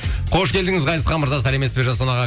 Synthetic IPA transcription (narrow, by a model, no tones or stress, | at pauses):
qʰo̞ʃkʲʰe̞ld̪ɪŋɪzʁɑj̪əsqɑnməɾzɑs̬ælemespe̞ʒɑsonɑʁɑ